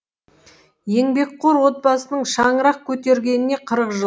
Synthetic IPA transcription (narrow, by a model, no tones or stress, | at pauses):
je̞ŋbe̞k̚qʰoɾwo̞t̪̚bɑsənəɴʃɑɴəɾɑq̚kʲʰɵt̪e̞ɾɡʲe̞nɪne̞qʰəɾəqʒə